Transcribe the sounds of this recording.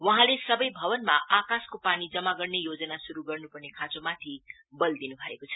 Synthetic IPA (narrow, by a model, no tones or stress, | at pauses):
wʌɦãlesʌbʌjbʱʌbʌnmaʔakaskopanid͡zʌmaɡʌrnejod͡zʌnasuɾuɡʌrnupʌrnekʰãt͡somat̪ʰi | bʌld̪inubʱʌekot͡sʰʌ̥